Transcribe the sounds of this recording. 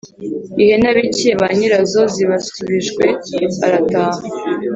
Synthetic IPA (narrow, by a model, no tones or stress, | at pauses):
ihenaβiceβaɲiɾazo̞ziβasuβiʒɡwe̞aɾataːha